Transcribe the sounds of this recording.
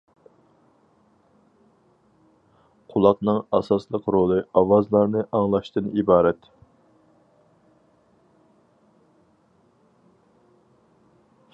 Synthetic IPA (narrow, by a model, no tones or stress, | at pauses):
qʰulˠɑqnɨŋɑsɑslˠəqɾolˠɨɑwɑzlˠɑɾnɨʔɑŋlˠɑʃt̪ɨnibɑːɾɛt̪